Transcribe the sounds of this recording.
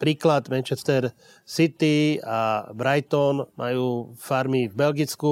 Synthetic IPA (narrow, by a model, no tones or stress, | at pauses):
pɾiːklad̪mɛnt͡ʃɛst̪ɛɾ | sit̪iabɾajt̪ɔnmʔa̰juːfaɾmivbɛlɡit͡sku